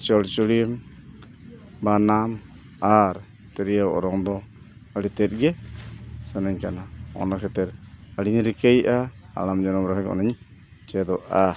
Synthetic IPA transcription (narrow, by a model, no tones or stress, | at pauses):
t͡ʃɔlt͡ʃulim | banam | aɾ | t̪ɛɾijawɔ̰ɾɔŋd̪ɔ | alit̪ɛt̪̚ɡɛ | sanaɲkanaɔ̰nakɛt̪ɛɾaliɲɾikajʔaa̰lamd͡ʒɔnɔmɾaɦɛkɔ̰naɲ | t͡ʃɛd̪ɔʔa